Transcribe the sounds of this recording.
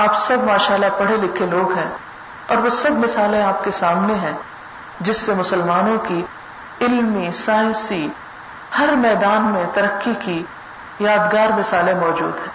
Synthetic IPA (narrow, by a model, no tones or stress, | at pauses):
aːpsɐbmaːʃaːlabɐɽelɪkʰeloːɡɦɛ̃ | ɔːɾʋosɐbmɪsaːlẽaːp̚kesaːmneɦɛ̃ | d͡ʒɪsːemʊsəlmaːnõki | ɪlmisaːjsi | hɐɾmɛːd̪aːnmẽt̪ɐɾəkːiki | jaːd̪ɡaːɾmɪsaːlẽmɔːd͡ʒṵːd̪ɦɛ̃ː